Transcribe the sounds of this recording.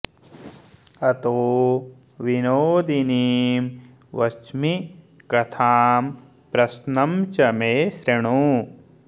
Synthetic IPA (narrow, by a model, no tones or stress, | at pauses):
ɐt̪oː | ʋinoːd̪iniːm | ʋɐt͡ʃmi | kɐt̪ʰaːm | pɾɐsnɐmt͡ʃɐmeːsɾeɳ̃oː